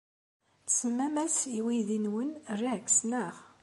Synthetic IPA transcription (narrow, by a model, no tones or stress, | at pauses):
səmːæmæsiwiðinwənrːiʕksnəʁ